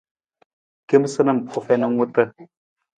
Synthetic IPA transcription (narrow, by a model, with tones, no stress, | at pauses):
ki˦m˦sɨ˦nə˦˨mo˨fe˦nə˦ŋwu˦tə˦